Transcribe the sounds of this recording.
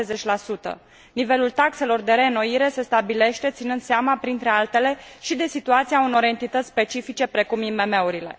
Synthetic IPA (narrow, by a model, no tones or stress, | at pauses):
ezet͡ʃʲlasut̪ə̰ | nive̞lult̪akse̞lo̞rd̪e̞ɾe̞no̞iɾe̞se̞st̪abile̞ʃt̪e̞t̪sinɨnd̪seamapɾint̪ɾe̞alt̪e̞le̞ʃid̪e̞sit̪uat̪siauno̞ɾe̞nt̪it̪ət̪sspe̞t͡ʃifit͡ʃe̞pɾe̞kumime̞me̞uɾile̞̰